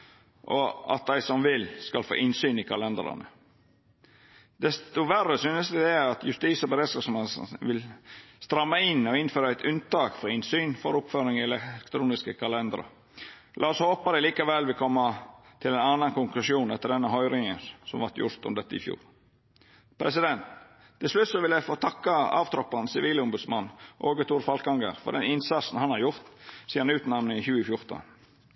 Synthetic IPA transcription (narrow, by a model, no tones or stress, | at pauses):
ʔɔɑ̰t̪̚d̪æɪsɔmʋɪlskɑlfo̰ːʔɪnsyːnɪkʰɑlɛnd̪ɾɑ̰nə̰ | d̪̥ɛst̪ʊʋærːəsyːnəsɪd̪eːɑt̪jʉst̪iːsɔbəɾeːd̪sɑsmesʋɪlst̪ɾɑmːəɪnɔɪnføːɾəæɪt̪ʉnt̪ɑːkfɔɾɪnsyːnfɔɾʊpføːɾɪŋɪɛlɛkt̪ʰɾuːnɪskəkʰɑlɛnd̪ɾə̰ | lʔɑːɔshoːpɑd̪ɛliːkɑʋɛlʋɪlkʰɔmːɑ | t̪ʰɪlɛɪnɑnːɑnkʊŋklʉʂuːnɛt̪ːəɖɛnːəɦɔʏɾɪŋənsɔmʋɑɾt̪jʊ̰ɾt̪ɔ̰md̪ɛt̪ːəɪ̰fjṵːɾ | pʰɾɛsɪd̪ɛnt̪ʰː | ɪlslʉt̪sɔʋɪljæɪfoːt̪ʰɑkːɑɑ̰ːʋt̪ʰɾɔpːɑnsɪʋiːləʊmbʉd̪smɑnːʔoːɡət̪ʰuːɾfɑlkɑŋɡə̰ɾfɔ̰ɖ̪ɛ̰nɪnsɑt̪sn̩hɑnhɑɾjʊɾt̪siːɾɑnʉːt̪nɑʋnəɪçʉːəfjʊɾt̪ə̰